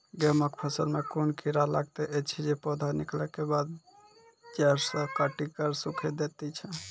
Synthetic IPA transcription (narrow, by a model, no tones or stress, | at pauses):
ɡɛməkpʰəsəɾmekunkiɾalaɡ̚t̪eʔet͡ʃʰid͡ʒepɔd̪ʱaniklɛkebad̪̚ | d͡ʒɛɾsə̃kəʈikəɾsukʰed̪et̪ɛt͡ʃʰɛ